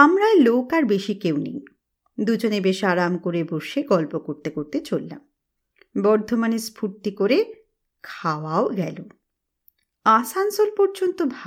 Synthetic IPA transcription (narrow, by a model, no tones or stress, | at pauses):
amɾaelokaɾbeʃikewnḛj | d̪ud͡ʑonebeʃaɾamkoɾeboʃeɡɔlpokoɾt̪ekoɾt̪et͡ɕolːa̰m | bɔɾd̪ʱomanespʰuʈt̪ikoɾe | kʰawaoɡɛ̰lo | asansolpɔɾd͡ʑont̪obʱa